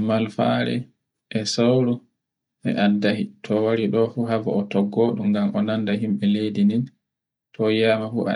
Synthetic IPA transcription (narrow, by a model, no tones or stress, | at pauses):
malfa̰ɾɛ̰ | ʔɛsawɾu | ʔɛ̰ʔadahitʰɔwaɾiɗɔfuɦava̰ɔtɔɡɔɗumɡamʔɔnandaɦimɓɛlejdinin | tʰɔjaːmafuʔa̰